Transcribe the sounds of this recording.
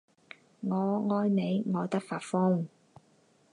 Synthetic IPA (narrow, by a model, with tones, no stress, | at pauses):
ŋɔː˨˧ŋɔː˥jne˨˧jŋɔː˨˧t̪ɐ˥k̚faː˧t̚fʊ˥ŋ